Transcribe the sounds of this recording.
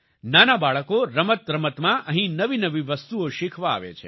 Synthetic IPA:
nanabaɭəkoɾəmət̪̚ɾəmət̪mãʔəɦĩnəʋinəʋiʋəst̪uoʃikʰʋaa̰ʋḛt͡ʃʰḛ

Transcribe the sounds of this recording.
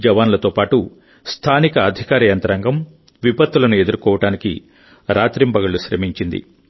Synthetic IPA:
d͡ʒɐʋaːnlɐt̪oːpaːʈu | st̪ʰaːnikɐːd̪ʱikaːɾɐjɐnt̪ɐɾɐŋɡɐm | ʋipɐt̪ːulɐnue̞d̪uɾkɔːʋɐʈaːnikḭ | ɾaːt̪ɾimbɐɡɐluʃɾɐ̰miɲt͡ʃind̪ḭ

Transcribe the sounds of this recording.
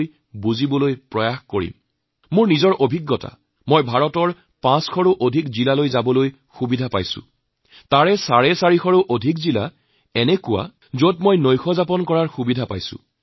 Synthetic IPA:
j | buzibɔlojpɹɔjaxkoɹḭm | mʊɹnizɔɹʔobʱiɡːɔta̰ | mɔjbʱaɹɔtɔɹ | pãsxʰɔɹuʔodʱikzilalojzabɔloj | xubidʱapajsʊ̰̃ | taɹɛsaɹɛsaɹixɔɹuʔodʱikzila | ɛnɛkʊwa̰ | zot̚mojnojxɔzapɔnkɔɹaɹxubidʱapa̰jsʊ̰̃

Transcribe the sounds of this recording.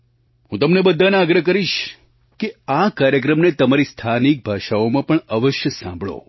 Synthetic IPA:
ɦũt̪əmnebəd̪ʱːanaɡɾəɦk̬əɾiʃ | keakaɾjəkɾəmnet̪əmaɾist̪ʰanik̚bʱaʃaomãpəɳəʋəʃjəsã̰mbʱɭo̰

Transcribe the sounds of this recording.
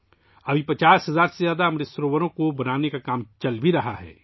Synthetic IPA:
ɐbʱipɐt͡ʃaːsɦɐzaːɾsezjaːd̪aɐmɾɪsɾoːʋəɾõkobɐnaːnekakaːmt͡ʃɐlbʱiɾɐɦa̰ɦɛ̰ː

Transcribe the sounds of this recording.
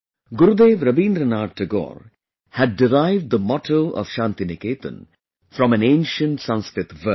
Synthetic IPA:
ɡʊɾud̪eːʋɾɐbĩːnɾənaːɖʈʰəɡɔ̰ːɾ | hæɖ̚ːɪɾaɪʋɖ̚d̪əmɔʈʰoːʔɔ̰ʋ̥ʃãːnt̪inɪkeːt̪ə̰̃n | fɾɔ̃mæ̃nẽːnʃə̃nʈsʌ̃nskɾɪt̪ʋə

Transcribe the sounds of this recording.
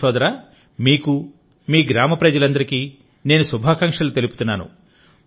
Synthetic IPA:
ɔːd̪ɐɾaː | miːku | miːɡɾaːmɐpɾɐd͡ʒɐlɐnd̪ɐɾikiː | ne̞ːnusubʱaːkɐŋkʂɐlut̪e̞lupu̥t̪unːaːnṵ

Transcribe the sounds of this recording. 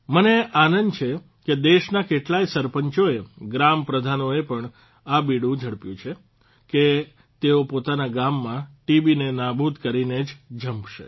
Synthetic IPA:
məneʔanənt͡ʃʰe | ked̪eʃnakeʈlaisəɾpəɲt͡ʃoeɡɾampɾəd̪ʱanoepəɳ | abiɽũd͡ʒʱəɽpjũt͡ʃʰe | ke | t̪eopot̪anaɡamːãʈibinenabʱud̪kəɾined͡ʒd͡ʒʱəmpʃḛ

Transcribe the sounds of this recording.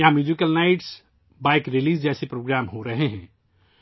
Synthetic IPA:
jɐɦãmjuːzɪkəlnaːɪʈs | baːɪkɾɪliːzd͡ʒɛːsepɾoːɡɾaːmɦoɾɐɦeɦɛ̃ː

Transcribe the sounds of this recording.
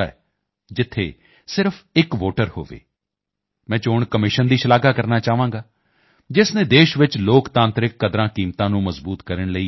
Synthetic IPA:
a̰ɛ̰ | d͡ʒɪt̪ʰːḛː | sɪɾpʰɪkʋoːʈəɾho̰ːʋḛː | mɛ̃ːt͡ʃoːɳkəmɪʃənd̪iːʃəlaːɡaːkəɾnaːt͡ʃaːʋãːŋɡaː | d͡ʒɪsnẽːd̪eːʃʋɪt͡ʃloːkt̪ãːnt̪ɾɪkːəd̪ɾãːkiːmt̪ãːnũːməzbuːt̪kəɾəɳləiː

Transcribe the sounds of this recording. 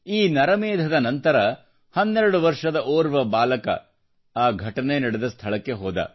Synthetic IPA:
iːnɐɾɐmeːd̪ʱɐd̪ɐnɐnt̪ɐɾɐ | hɐnːɛɾɐɽuʋɐɾʂɐd̪ɐʔoːɾʋɐbaːlɐkɐ̰ | aːɡʱɐʈɐnenɐɽed̪ɐst̪ʰɐɭɐkːe̞ɦɔːd̪ɐ̰

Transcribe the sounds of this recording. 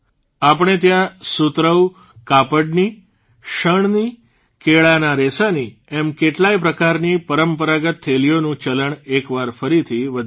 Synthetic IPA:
ap̬ɳ̃et̪jãsut̪ɾəw | kapəɖni | ʃəɳni | keɭanaɾesaniɛmkeʈlaipɾəkaɾnipəɾəmpəɾaɡət̪ʰːelijonũt͡ʃələɳekʋaɾfəɾit̪ʰiʋəd̪ʱ

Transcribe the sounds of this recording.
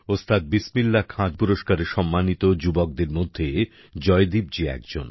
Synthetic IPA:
ost̪ʰat̪̚bismilːakʰãd͡ʑpuɾoʃkaɾeʃɔmːanit̪od͡ʑubɔk̚d̪eɾmod̪ʱːe | d͡ʑɔed̪ib̚d͡ʑiɛ̰kd͡ʑo̰n

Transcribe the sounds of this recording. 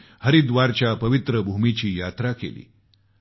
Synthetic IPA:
həɾid̪ʋaɾt͡ɕjapəʋit̪ɾəbʱumit͡ɕiːjat̪ɾakḛlḭː

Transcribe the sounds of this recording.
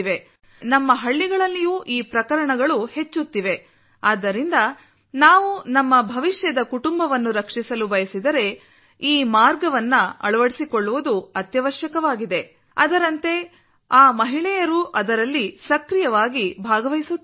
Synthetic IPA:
ʋe̞ | nɐmːɐɦɐɭːiɡɐɭɐlːijuːʔiːpɾɐkɐɾɐɳɐɡɐɭuhe̞t͡ʃːut̪ːiʋe̞ | aːd̪ːɐɾind̪ɐ | naːʋunɐmːɐbʱɐʋiʃjɐd̪ɐkuʈumbɐʋɐnːuɾɐkʂisɐlubɐjɐsid̪ɐɾe̞ | iːmaːɾɡɐʋɐnːɐɐ̰ɭɐʋɐɽisikoɭːuʋud̪uɐt̪jɐʋɐʃjɐkɐʋaːɡid̪e̞ | ɐ̰d̪ɐɾɐnt̪e̞ | aːmɐɦiɭɛjɐɾuʔɐd̪ɐɾɐlːisɐkɾijɐʋaːɡibʱaːɡɐʋɐjsu

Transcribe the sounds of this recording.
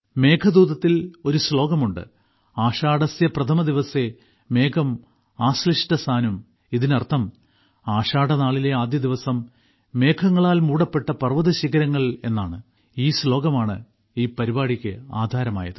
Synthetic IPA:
me̞ːkʰɐd̪uːðɐt̪ːilo̞ɾuslo̞ːɡɐmuɳɖɨ̰ | aːʂaːɽɐsjɐprɐt̪ʰɐmɐd̪iʋɐse̞ | me̞ːkʰɐm | aːsliʂʈɐsaːnum | iðinɐrt̪ʰɐm | aːʂaːɽɐnaːɭile̞aːd̪jɐd̪iʋɐsɐmː | e̞ːkʰɐŋːɐɭaːlmuːɽɐpːe̞ʈːɐpɐrʋɐðɐɕiɣɐɾɐŋːɐɭe̞nːaːɳɨ | iːslo̞ːɡɐmaːɳɨ | iːpɐɾibaːɽikʲːɨa̰ːd̪ʱaːɾɐma̰ːjɐ̰ðɨ

